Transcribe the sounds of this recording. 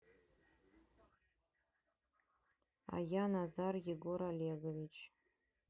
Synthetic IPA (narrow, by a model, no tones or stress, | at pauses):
a̰janazarɡʲiɡoɾaleɡavit͡ʃʰ